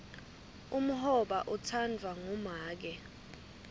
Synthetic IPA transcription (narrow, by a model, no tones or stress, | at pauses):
um̩hɔɓaʔutʰandʱwaŋumaːk̬ɛ